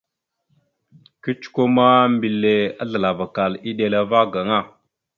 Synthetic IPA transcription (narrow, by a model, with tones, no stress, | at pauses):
ki˦t͡ʃko˦ma˦mbi˨le˨a˦ɮə˨la˨va˨ka˨li˦ɗe˨la˨va˦ɡa˨ŋa˦˨